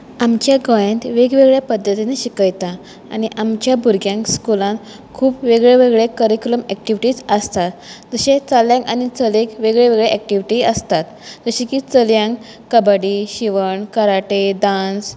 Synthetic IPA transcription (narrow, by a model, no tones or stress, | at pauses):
amt͡ɕjaɡɔjẽnt̪ʋeɡʋeɡɭjapəd̪ʱːət̪ineɕikəjt̪a̰ː | ɽ̃iʔamt͡ɕjabʱuɾɡjãŋkskulãn | kʰuːpʋeɡɭeʋeɡɭekəɾikuləmɛk̚ʈiʋiʈiːt͡səst̪at̪d͡zəɕet͡saljãkañit͡səlẽkʋeɡɭeʋeɡɭeʔɛk̚ʈiʋiʈiəst̪at̪d͡zəɕikiːt͡səljãŋk | kəbəɽiɕiʋəɳkəɾaʈed̪ãns